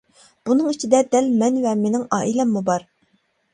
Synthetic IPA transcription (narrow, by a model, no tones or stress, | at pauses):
b̥unɨŋit͡ʃʰid̪ɛd̪ɛlmɛnvɛmenɪŋɑːʔilɛmːubɑɾ